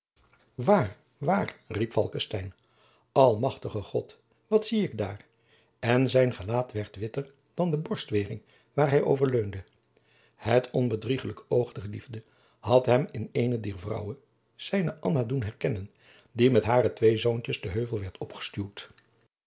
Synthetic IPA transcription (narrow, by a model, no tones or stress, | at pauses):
ʋaːr | ʋaːrripfɑ̰lˠkəstɛjn | ɑlˠmɑχtəχəχɔt | ʋɑtsiɪɡda̰ːɹ | ɛnzɛjnχəlaːtʋɛɹtʋɪtəɹ | d̥ɑndəbɔɹstʋɪːrɪŋ | ʋaːɹɦɛjʔo̰wvəɹløɥndə | hətʰɔnbədriχələkowχdəχlḭvdə | ɦɑtɦɛmɪnejnədiːɹvrʌ̰wən | z̥ɛjnəʔɑnadunɦɛɹkɛnən | dimɛtɦaːrətʋejzownt͡ʃəzdəɦøɥvəlˠʋɛɹtʰɔpχə̥stywt